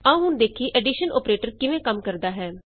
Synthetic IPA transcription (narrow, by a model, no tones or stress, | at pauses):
ãũːɦʊnd̪eːkʰiːʔɛːɖiːʃəno̰ːpɾeːʈəɾkɪʋẽːkəmkəɾd̪aːɦɛː